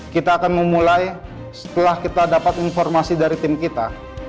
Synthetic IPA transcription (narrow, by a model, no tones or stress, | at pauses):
kit̪aːkanməmulaj | sə̥t̪əlahkit̪adapat̪infɔrmasidaɾit̪ɪmkit̪a